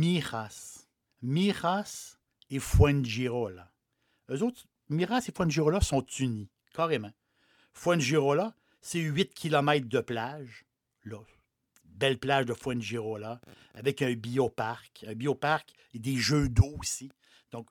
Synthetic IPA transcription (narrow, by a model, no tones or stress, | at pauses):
miʁas | miʁas | efwɛnʒiʁola | øzot̪χ | miʁasefwɛ̃nʒiʁolasɔ̃t̪yni | kɑːʁemã | fwɛ̃nʒiʁola | sɛɥɪt̪kʲʰilɔmɛɪt̪χd̪əplaʒ | lɔ | bɛlplaːʒd̪əfwɛ̃nʒiʁola | avɛkœ̃biopaʁkɛ̃biopaʁk | ed̪eʒød̪osi | d̪̥ɔ̃k